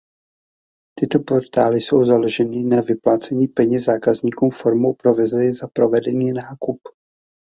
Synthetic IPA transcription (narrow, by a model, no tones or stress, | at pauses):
t̪ɪt̪o̞po̞ɾt̪aːlɪso̞wzalo̞ʒɛnɪnavɪplaːt͡sɛɲiːpɛɲɛzzaːkazɲiːkuːmfoɾmowpɾo̞vɛzujɛzapɾo̞vɛdɛniːnaːkup